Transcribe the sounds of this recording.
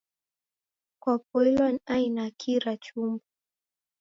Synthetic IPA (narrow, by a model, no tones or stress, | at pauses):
kwapulilwaniainakʰiɾat͡ʃumbu